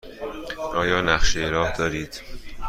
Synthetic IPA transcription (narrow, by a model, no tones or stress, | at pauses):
ʔɒːjɒːnæxʃejeɾɒːhd̪ɒːɾiːd̪̥